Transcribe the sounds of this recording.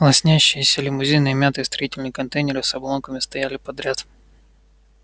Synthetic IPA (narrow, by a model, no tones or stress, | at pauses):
lˠɐsʲnʲæɕːɪjɪsʲəlʲɪmʊzʲejnɨɪmʲat̪ɨːst̪ɾɐitʲɪlʲnɨjkɐnt̪ejnʲɪɾɨsɐblˠonkəmʲɪst̪ɐjælʲɪpɐd̪ɾʲat̪